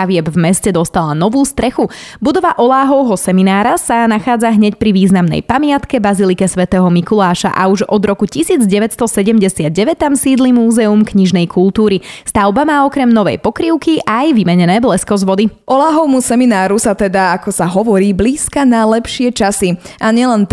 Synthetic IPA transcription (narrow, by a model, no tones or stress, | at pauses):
aʋɪɛbvmɛscɛd̪ɔst̪alanɔʋuːst̪ɾɛxubud̪ɔʋaʔɔlaːɦɔʊɦɔsɛminaːɾasanaxaːd͡zaɦɲɛcpɾiʋiːznamnɛ̰jpamɪat̪kɛbazilikɛsʋɛt̪ɛːɦɔmikulaːʃa̰ʔa̰uʒɔd̪ɾɔkucisiːd͡zɟɛʋɛcst̪ɔsɛɟɛmɟɛsɪad̪̚ɟɛʋɛt̪amsiːd̪limuːzɛumkɲiʒnɛjkʰult̪uːɾist̪aʊbamaːɔkɾɛmnɔʋɛ̰jpɔkɾiʊkiʔajʋimɛɲɛnɛːblɛskɔzʋɔd̪iʔɔlaːɦɔʊmusɛminaːɾusat̪ɛd̪aakɔsaɦɔʋɔɾiːbliːskanalɛpʃɪɛt͡ʃasiʔaɲɪɛlɛnt̪